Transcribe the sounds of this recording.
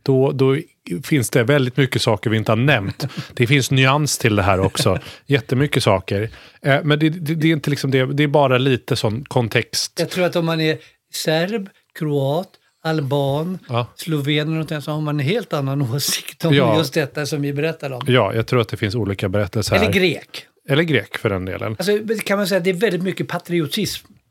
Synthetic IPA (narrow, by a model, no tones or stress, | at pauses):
d̪̥ɔd̪ɔ | fɪnsd̪̥ɛvɛld̪ɪt̪mʏkːəsɑːkəɾvɪɪnt̪əhaɳnɛmt̪d̪̥ɛfɪnsnʏanst̪ʰɪld̪ɛɦæːɾɔksɔjɛt̪ːəmʏkːəsɑːkəɾmɛnd̪ɛdɛd̪ɛɪnt̪əlɪksɔmd̪ɛd̪ɛæɾbɑːɾaliːt̪əsɔnːkʰɔnt̪ʰɛkst̪jɑɡtʰɾuːɾat̪ɔmːanɛɾ | sæɾb | kʰɾʊɑːt̪ | albɑːnːslʊveːnlnɔnt̪ɪŋsɔhaɾmanɛnɦeːlt̪anːanoːsɪ̥kt̪ɔjɑːjɵst̪̚d̪ɛt̪ːasɔmvɪbɛɾɛt̪ːaɾɔmjɑːjʔɑ̰ɡt̪ʰɾuːɾat̪̚d̪ɛfɪnsuːliːkabɛɾɛt̪ːɛlsəɾɛlːəɡɾeːk | ɛlːəɾɡɾeːkfœɖɛnd̪ḛːlʔə̰nals̬ɔkʰanmansɛjːat̪̚d̪ɛːɾvɛld̪ɪt̪mʏkːəpʰat̪ʰɾɪʊt̪ʰɪsm